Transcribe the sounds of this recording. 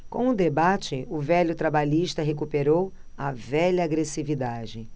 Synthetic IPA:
kõw̃ʊd̪ebat͡ʃɪʊvɛʎʊt̪ɾabaʎiʃt̪ɐɦekupeɾow | ɐvɛʎɐːɡɾesivid̪ad͡ʒɪ

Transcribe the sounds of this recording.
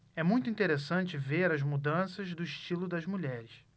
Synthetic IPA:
ɛmũj̃t̪ʊĩnt̪eɾesɐ̃nt͡ʃɪveɾɐzmud̪ɐ̃sɐzd̪ʊiʃt͡ʃilʊd̪ɐzmuʎɛɾɪs

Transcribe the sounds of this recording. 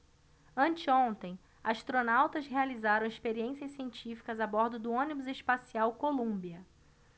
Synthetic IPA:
ɐ̃nt͡ʃɪõnt̪ẽj̃ | aʃt̪ɾonawt̪ɐzɦealizaɾɐ̃w̃espeɾiẽsiɐssiẽnt͡ʃifi̥kɐzabɔɾd̪ʊd̪ʊõnibʊzespasiawkolũbiɐ

